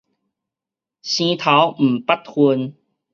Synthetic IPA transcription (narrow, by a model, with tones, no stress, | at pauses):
ɕĩ˧t̪ʰa˨˦wm̩˨˩pa˦˥t̚hu˧n